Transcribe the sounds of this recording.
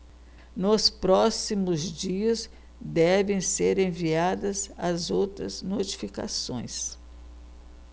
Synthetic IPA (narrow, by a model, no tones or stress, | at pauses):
nospɾɔsimʊzd͡ʒiɐz | d̪ɛvẽj̃seɾẽviad̪ɐzɐzowt̪ɾɐznot͡ʃi̥fika̰sõ̰j̃s